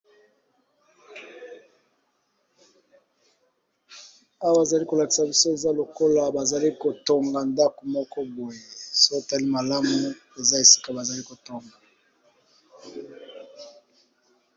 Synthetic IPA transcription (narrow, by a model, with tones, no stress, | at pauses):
a˦wa˦˨za˨li˦ko˨la˨ki˨sa˨bi˨so˦e˨za˦lo˨ko˦la˨ba˨za˨li˦ko˨to˦ŋɡa˨nda˦ko˨mɔ˦kɔ˦bo˨je˨so˦˨ta˦li˦ma˨la˦mu˦ | e˨za˦e˨si̥˦ka˨ba˨za˨li˦ko˨tɔ˦ŋɡa˨